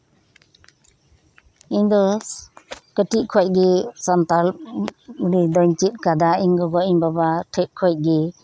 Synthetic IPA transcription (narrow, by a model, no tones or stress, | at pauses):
iɲd̪ɔ | kəʈiʔkʰɔjc̚ˀɡisant̪al | ɾid̪ɔɲt͡ʃit̪̚kad̪aiɲɡɔɡɔʔiɲbabaʈʰɛʔ̚kʰɔjc̚ˀɡi